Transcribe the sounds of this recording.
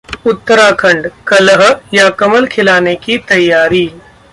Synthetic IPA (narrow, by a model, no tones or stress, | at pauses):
ʊt̪ːəɾakʰɐ̃ɳɖkɐlɦjakɐməlkʰɪlaːnekit̪ɐjːaːɾiː